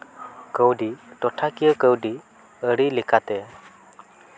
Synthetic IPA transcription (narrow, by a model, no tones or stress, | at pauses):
kəwɖiʈɔʈʰakijəkəwɖi | əɽilikʰat̪ɛ